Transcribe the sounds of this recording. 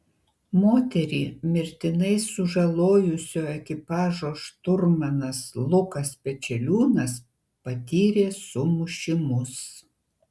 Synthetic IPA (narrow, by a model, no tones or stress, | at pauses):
moːt̪ʲɛɾʲiːmʲɪɾʲt̪ʲɪnɐɪsʊʒɐlˠoːjʊsʲoːɛkʲɪpɑːʒoːʃt̪ʊɾmɐnɐslˠʊkɐspʲɛt͡ʃʲɛlʲuːnɐs | pɐt̪ʲiːɾʲeːsʊmʊʃʲɪmʊs